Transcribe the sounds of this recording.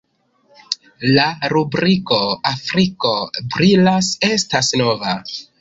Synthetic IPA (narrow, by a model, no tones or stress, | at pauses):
laɾubɾiko̞afɾiko̞bɾilase̞stasno̞va